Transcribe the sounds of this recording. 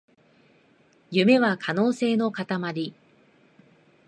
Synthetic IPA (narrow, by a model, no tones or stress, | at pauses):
jɯ̟me̞βakʰano̞ːse̞ːno̞kat̪amaɾʲi